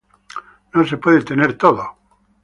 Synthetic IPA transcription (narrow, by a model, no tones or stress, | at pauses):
nosepweðet̪eneɾt̪oðo